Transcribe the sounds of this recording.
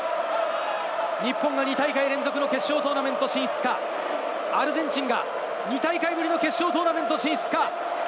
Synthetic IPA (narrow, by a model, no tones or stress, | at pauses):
ɲ̟ipːõŋɡaɲ̟it̪aikaiɾẽ̞nd͡zo̞kɯno̞ke̞ɕːo̞ːt̪o̞ːnamẽ̞nt̪o̞ɕĩɰ̃sɨ̥ka | aɾɯ̟zẽ̞ɲt͡ɕĩŋɡa | ɲ̟it̪aikaiɡɯ̟ɾʲino̞ke̞ɕːo̞ːt̪oːnament̪o̞ɕĩːsɨ̥ka